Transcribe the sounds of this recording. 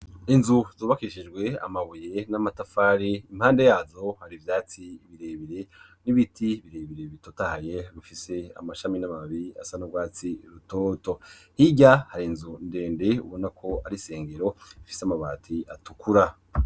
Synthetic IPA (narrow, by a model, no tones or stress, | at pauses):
inzuz̥oːβakiiʃid͡ʒɡwe̞a̰maβuje̞namatafaːɾiim̥haːnde̞jaːzo̞haɾivjaːt͡siβiɾeβiɾe̞ | niβitʰiβiɾe̞ːβiɾe̞βitotahaje̞βifise̞a̰maʃaminamaβia̰sanobɡwaːt͡siɾuto̞ːto̞hiɟahaɾinzunde̞ːnde̞ṵβo̞nakʰo̞aɾise̞ːŋɡe̞ɾo̞ifiseamaβaːtʰiatukʰuɾa